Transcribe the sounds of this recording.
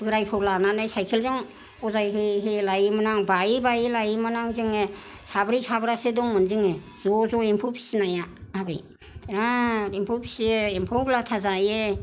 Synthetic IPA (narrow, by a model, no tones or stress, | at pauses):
bɯɾajpʰɔwlananɯjsajkʰelzɔŋ | ɔzajɦɯɦelajimanaŋbaibailajimanaŋzɯŋe | sabɾisabɾasedɔŋmɯnzɯŋe | zɔzɔimpʰupʰi̥sinajaabɯ̰j | naimpʰupʰi̥sieimpʰɔwɡlatʰazaje